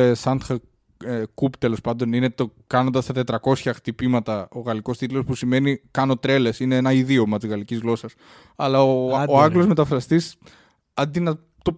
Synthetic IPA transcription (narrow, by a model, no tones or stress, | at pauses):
sɐnxɐ | ekupt̪e̞lo̞spɐnd̪o̞nine̞t̪okɐno̞nd̪ɐst̪ɐt̪e̞t̪ɾɐko̞sçɐxt̪ipimɐt̪ɐo̞ɣɐliko̞st̪it̪lo̞spusime̞nikɐno̞t̪ɾe̞le̞sine̞enɐiðio̞mɐt̪izɣɐlicizɣlo̞sɐs | ɐlɐooɐɡlo̞zme̞t̪ɐfɾɐst̪is | ɐnd̪inɐ | t̪o